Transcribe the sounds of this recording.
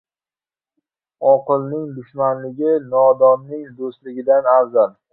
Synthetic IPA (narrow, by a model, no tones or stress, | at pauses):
ɒqɨlˠnɪŋd̪ʊʃmanlɪɡʲɪnɒd̪ɒnːɪŋd̪ost̪lɪɡʲɪd̪anaɾzal